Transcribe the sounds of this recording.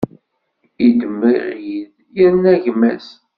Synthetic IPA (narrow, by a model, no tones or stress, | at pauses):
id̪əmːḭʁjið | jəɾnæʝmæ̰s